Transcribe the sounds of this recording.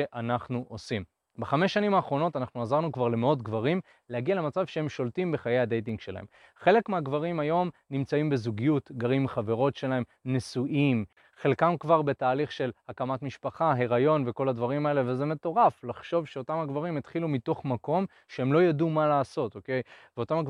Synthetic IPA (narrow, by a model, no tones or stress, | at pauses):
eʔanaχnuʔo̞sim | baχameʃːanimaːχʁo̞no̞tanaχnuazaʁnukvaʁle̞meo̞tɡvaʁim | lehaɡialemat͡savʃehe̞mʃo̞ltimbe̞χaje̞jad̪ejt̬iŋɡʃe̞la̰hem | χe̞le̞kmeaɡvaʁimajo̞mnimt͡saimbe̞zuɡijutɡaʁimχave̞ʁo̞tʃe̞lae̞mnesuʔim | χe̞lkamkvaʁbe̞taːliχʃe̞lhakamatmiʃpaχaɦe̞ʁajo̞nve̞ko̞ladvaʁimae̞leveze̞me̞to̞ʁaflaχʃo̞vʃeo̞tamhaɡvaʁimet̪χilumito̞χmako̞m | ʃeemlo̞jadumalaːso̞to̞ke̞jveo̞tamaɡ